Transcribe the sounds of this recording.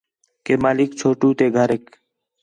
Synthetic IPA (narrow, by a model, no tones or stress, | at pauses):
keːmaːlikt͡ʃʰoːʈuːt̪eːɡʱəɾeːk